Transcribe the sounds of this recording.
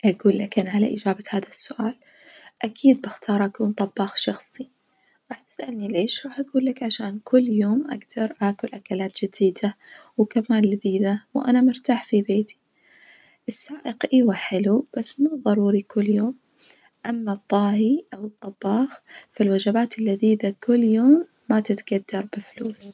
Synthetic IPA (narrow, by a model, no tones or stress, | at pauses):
ʔaɡuːlːakanʕala̰ʔɪ̰d͡ʒaːbahaːðasːʊʔaːl | ʔakʰiːd̪̚bɪxt̪ʰɑːɾˤʔakuːnt̪ˤɑbːɑːxʃɑxsˤi | ɾˤɑːħt̪ɪ̥sʔalnileːʃɾˤɑːħʔaɡuːlːakʕaʃaːnkʰʊlːjoːmʔa̰ɡd̪ɑɾˤʔaːkʊlʔakalaːt̪d͡ʒɪd̪iːd̪awkamaːnlɪðiːðawʔa̰namʊɾt̪aːħfibeːt̪i̥ | ʔɪsːaːʔɪqʔiwaħɪlub̥asːmuːðˤɑɾˤuːɾikʊlːjoːm | ʔamːat̪ˤːɑːhiʔawɨt̪ˤːɑbːɑːxfalwad͡ʒabaːt̪ɪlːɪðiːðakʊlːjoːmː | at̪ɪt̪ɡ̥ad̪ːɑɾˤbɪfluːs